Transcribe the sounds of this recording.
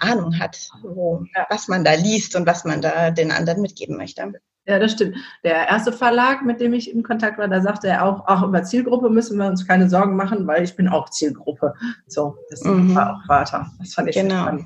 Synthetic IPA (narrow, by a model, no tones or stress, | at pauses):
ʔaːnʊŋɦa̰tvoːjaːvasmandaːliːstʊntv̥asmandaːdeːnʔa̰ndəʁənmɪt̚ɡ̥ḛːbm̩mœ̰çtə | jaːdasʃtɪmtd̥eːɐʔeːɐstəfɛɐlaːkmɪt̚d̥eːmɪçɪmkʰɔntʰak̚tv̥aːɐdaːɐzaːχtəeːɐʔaʊxʔaχʔyːbɐt͡siːlɡʁʊpəmʏsn̩viːɐʊnskʰaɪnəzɔɐɡŋ̩maχn̩vaɪlɪçb̥ɪna̰ʊxt͡siːlɡʁʊpʰəz̥oːd̥asvaːʔa̰ʊxfaːtʰɐ̰d̥asfantɪçɡ̥ənaʊan